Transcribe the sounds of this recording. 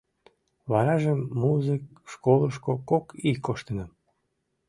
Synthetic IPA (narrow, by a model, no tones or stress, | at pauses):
βɑɾɑʒəmːuzɨkʃkoləʃkokokikoʃt̪ənə